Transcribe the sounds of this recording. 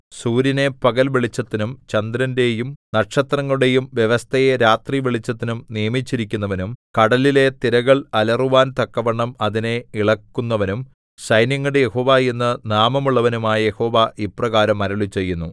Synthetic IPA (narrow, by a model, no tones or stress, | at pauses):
suːɾine̞pɐɣɐlʋiɭit͡ɕːɐt̪ːinumt͡ɕɐnd̪ɾɐnde̞ːjumnɐʈʂɐt̪rɐŋːɐɭuɽe̞jumʋjeʋɐst̪ʰɐjeɾaːt̪riʋeɭit͡ɕːɐt̪ːinumnijɐmit͡ɕːiɾikʲːunːɐʋɐnumkɐɽɐlile̞t̪iɾɐɣɐɭɐlɐruʋaːnt̪ɐkːɐʋɐɳːɐmɐðine̞iɭɐkːunːɐʋɐnum | ɕɐjnjɐŋːɐɽejeho̞ːʋaːenːɐnaːmɐmuɭːɐʋɐnumaːjɐje̞ho̞ːʋaʔiprɐɣaːɾɐmːɐɾɐɭit͡ɕːe̞jːunːu